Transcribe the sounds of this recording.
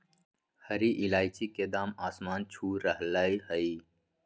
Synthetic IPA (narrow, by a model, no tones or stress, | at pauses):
həɾiːʔɪlaːit͡ʃiked̪aːmaːsmaːnt͡ʃʰuːɾəɦlaːihəiː